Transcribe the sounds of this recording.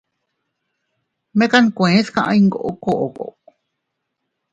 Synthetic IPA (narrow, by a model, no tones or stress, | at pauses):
mekankʷẽskãʔã̰iŋɡo̰ʔokoʔoko̰ʔk